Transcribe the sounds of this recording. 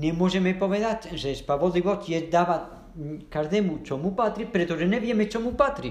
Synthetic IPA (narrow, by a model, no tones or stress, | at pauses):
nemozemepoβeðat͡ʃ̪sespaβoliβot͡ʃied̪aβa | kaɾðemut͡ʃomupat̪ɾipeɾet̪ozeneβjemet͡ʃomupat̪ɾi